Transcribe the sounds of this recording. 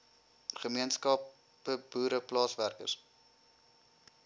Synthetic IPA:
χəmiənskɑp | əbuːɾəplɑːsværkə̰rs

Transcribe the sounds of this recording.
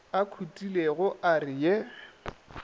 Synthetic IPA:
akʰutʼileɣʊʔarɪje

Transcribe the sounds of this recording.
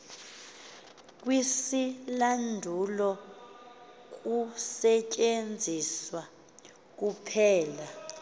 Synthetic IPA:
k̬ʼwisilandʱulɔ | k̬ʼusɛcʼend͡zʱiswa | k̬upʰɛːla

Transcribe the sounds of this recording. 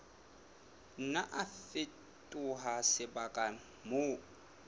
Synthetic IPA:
n̩naʔafɪ | tʼʊɦasɪbakʼa | mʊ

